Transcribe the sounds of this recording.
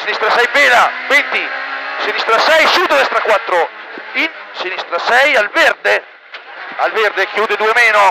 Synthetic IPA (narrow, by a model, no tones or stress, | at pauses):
sinist̪ɾasɛjbɛːlavɛnt̪isinist̪ɾasɛjsud̪d̪ɛst̪ɾakwat̪ːɾoinsinist̪ɾasɛjalvɛɾd̪e | alvɛɾd̪ekjuːd̪ed̪uːemɛːnʊ